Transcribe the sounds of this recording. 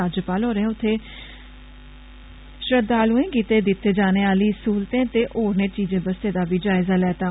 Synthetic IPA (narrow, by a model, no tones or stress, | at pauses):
aːd͡ʒəpaːlɦoːɾẽːʊt̪ʰːeː | ʃɾəd̪aːlũːẽːkiːt̪eːd̪ɪt̪ːeːd͡ʒaːneːaːliːsuːlt̪ẽːt̪eːʔoːɾneːt͡ʃiːzẽːbəst̪eːd̪aːbiːd͡ʒaːɪzaːlɛːt̪ãː